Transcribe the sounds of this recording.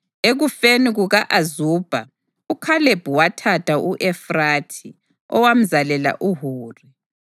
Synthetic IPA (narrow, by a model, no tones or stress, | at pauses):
eɣufeniɣuɣaʔazuːb̥ʱa | ukʰaleb̥ʱuwatʰatʰʼauʔɛfratʰi | ɔ̰wam̩zalɛla̰ʔuɦuːri